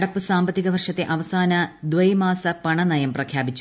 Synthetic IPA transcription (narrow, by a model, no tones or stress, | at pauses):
ɽɐpːɨsaːmbɐt̪ːiɣɐʋɐrʂɐt̪ːe̞ʔɐʋɐsaːnɐd̪ʋɐjmaːsɐpɐɳɐnɐjɐmprɐkʰjaːbit͡ɕːu